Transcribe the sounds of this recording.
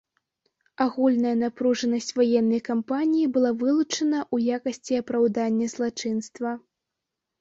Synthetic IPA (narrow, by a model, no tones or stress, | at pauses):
aɣulʲnɐjɐnapɾuʐɐnɐsʲt͡sʲvajɛnːɐjkampanʲijibɨlˠavɨlˠut͡ʂɐnɐʔujakɐsʲt͡sʲiɐpɾawd̪anʲːɐzlˠat͡ʂɨnst̪vɐ